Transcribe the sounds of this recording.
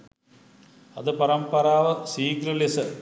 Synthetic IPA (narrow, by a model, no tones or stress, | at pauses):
ɐ̰ðɨpɐɾɐmpɐɾaːʋɐsiːkɾɨlesɐ